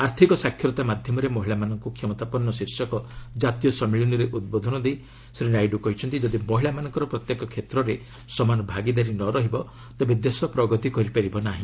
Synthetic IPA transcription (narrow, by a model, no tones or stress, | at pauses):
aɾt̪ʰikɔsakʰjɔɾɔt̪amad̪ʱjɔmɔɾemɔɦiɭamanɔŋkukʰjɔmɔt̪apɔnːɔsiɾsɔkɔd͡ʒat̪ijɔsɔmiɭiniɾeʔud̪̚bod̪ʱɔnɔd̪ej | sɾinajɖukɔɦit͡ʃʰɔnt̪id͡ʒɔd̪imɔɦiɭamanɔŋkɔɾɔpɾɔt̪jekɔkʰet̪ɾɔɾe | sɔmanɔbʱaɡid̪aɾinɔɾɔɦibɔ | t̪ebed̪esɔpɾɔɡɔt̪ikɔɾipaɾibɔnaɦĩ